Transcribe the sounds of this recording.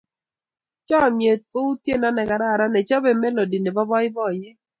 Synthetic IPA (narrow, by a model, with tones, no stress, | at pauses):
t͡ʃɔ˦˨mje˨t̪̚o˦u˦tje˦˨na˦nɛ˨ka˨ɾa˦˨ɾa˦nɛ˨t͡ʃa˦be˨mɛ˦lo˨di˨ne˨bɔ˦bɔ˦ɪ˦bɔ˦˨je˦